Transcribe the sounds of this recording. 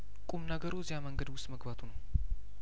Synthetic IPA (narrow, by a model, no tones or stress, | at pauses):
kʼumnəɡəɾozihaməŋɡəd̪wʊst̪ʼməɡbat̪ʰunəw